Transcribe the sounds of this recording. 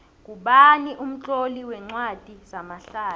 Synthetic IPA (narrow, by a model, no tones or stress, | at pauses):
k̬ʼuɓaniʔum̩t͡ɬʼoliwɛŋ͡ǀwad̥ʱiz̥amaɬaː